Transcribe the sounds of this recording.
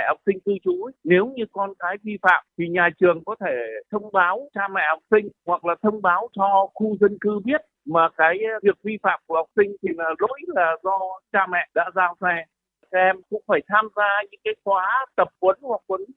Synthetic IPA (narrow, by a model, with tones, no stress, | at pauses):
ɛ̰˧˨hwk͡p̚sï˧ŋ̟t̪ɨ˧t͡ɕu˨˦jne˨˦wɲɨ˧kɔ˧nkaː˨˦jvi˧fa̰ː˧˨mt̪ʰi˨˩ɲaː˨˩t͡ɕɨ˨˩əŋkɔ˨˦t̪ʰe˧˩t̪ʰə˧wŋ͡mɓaː˨˦wt͡ɕaː˧mɛ̰˧˨ha˨˩wk͡p̚sï˧ŋ̟hwa˨˩k̚laː˨˩t̪ʰə˧wŋ͡mɓaː˨˦wt͡ɕɔ˧xu˧zə˧nkɨ˧ɓi˦˥ət̚maː˨˩kaː˨˦jvi˨˩ək̚vi˧fa̰ː˧˨mku˧˩əha˨˩wk͡p̚sï˧ŋ̟t̪ʰi˨˩laː˨˩lṵ˧˥jlaː˨˩zɔ˧t͡ɕaː˧mɛ̰˧˨ɗa̰ː˧˥zaː˧wsɛ˧ | a˨˩ka˧ʔɛ˧mkʊ̰˧˥ŋ͡mfaː˧˩jt̪ʰaː˧mzaː˧ɲɨ̰˧˥ŋkaː˨˦jxwaː˨˦t̪ə˨˩p̚kwə˨˦nhwa˨˩k̚kwə˨˦n